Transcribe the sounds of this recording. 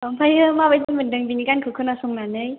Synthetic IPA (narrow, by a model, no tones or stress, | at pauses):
ɔmpʰajɯmabajtimɯndɯŋbinikankʰɯkʰɯnasuŋnanɯj